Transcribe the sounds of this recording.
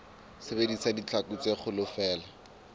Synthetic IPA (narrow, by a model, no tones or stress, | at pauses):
sebedisadit͡ɬʰakut͡seχʊlʊfɛːla